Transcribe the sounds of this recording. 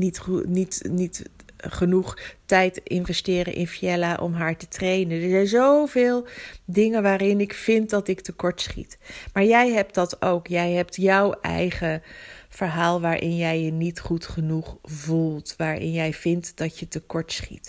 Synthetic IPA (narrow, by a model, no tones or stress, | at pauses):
nitnitnitχənuχtɛjtɪnvɛstɪːɾə̰nʔɪ̰nfiɛlaʔɔ̰mɦaːɹtətrejnəndəɹzɛjnzowvɪːlˠdɪŋənʋaːɾɪnɪkfɪnt̚dɑtɪktəkɔɹtsχḭtmaːɹjɛjɦɛp̚t̚d̥ɑtowkjɛjɦɛp̚tjɔwɛ̰jχəv̥əɹɦaːlˠʋaːɹʔɪnjɛjənitχutχənuχvulˠtʋaːɹɪ̰njɛjvɪntdɑtjətəkɔɹtsχḭt